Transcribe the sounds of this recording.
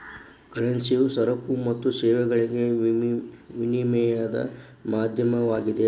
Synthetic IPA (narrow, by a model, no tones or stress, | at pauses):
kɐɾɐnsijusɐɾɐkːumɐt̪ːusɛːʋɛɡɐɭiɡe | ʋinimɛjad̪ɐ̰ | maːd̪ʱjɐmɐʋaːɡid̪e